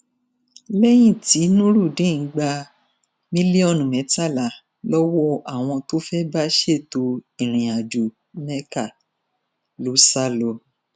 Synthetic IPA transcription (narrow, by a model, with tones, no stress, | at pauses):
lɛ˦j̃ĩ˦˨ti˨˦nũ˦ɾu˦˨dĩ˨˦˨ŋ̩˨˦ɡ͡ba˧ | mĩ˦li˦ɔ˦˨nũ˨mɛ̃˨˦ta˦˨la˨˦ | lɔ˦wɔ˦ʔa˦˨w̃ɔ̃˧to˦fɛ˦ba˦ʃe˦˨to˧ĩ˨ɾ̃ĩ˨a˨d͡ʒu˨ | mɛ˦ka˦˨ | lo˨˦sa˦lɔ˧˨